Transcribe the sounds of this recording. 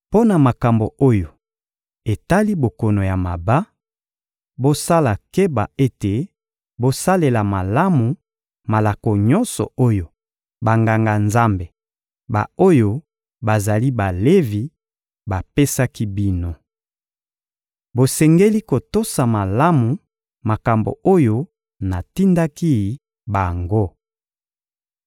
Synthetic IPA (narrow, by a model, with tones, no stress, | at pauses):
po˦na˨ma˨ka˨mbo˨o˦jo˨ | e˨ta˦li˦bo˨kɔ˨no˨ja˨ma˨ba˦ | bo˦sa˦la˨ke˦ba̰˨e˦te˨ | bo˦sa˦le˨la˨ma˨la˦mu˨ | ma˨la˨ko˨ɲɔ˦nsɔ̰˨o˦jo˨ | ba˨ŋɡa˨ŋɡa˨nza˦mbe˨ | ba̰˨o˦jo˦ | ba˨za˨li˦ba˨le˦vi˨ | ba˨pe˦sa˦ki˦bi˦no˨ | bo˨sɛ˨ŋɡe˦li˦ko˨to˦sa˨ma˨la˦mu˨ | ma˨ka˨mbo̰˨o˦jo˦ | na˨ti˦nda˦ki˦˨˦ | ba˨ŋɡo˦